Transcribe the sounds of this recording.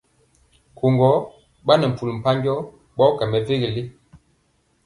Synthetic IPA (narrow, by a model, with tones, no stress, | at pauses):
kʰo˨ŋɡɔ˨˦ | ɓa˦nə˨m̩˨pu˨lm̩˨pa˦ɲɡɔ˦ | ɓɔ˦kɛ˨mɛ˨ve˦ɣi˨li˦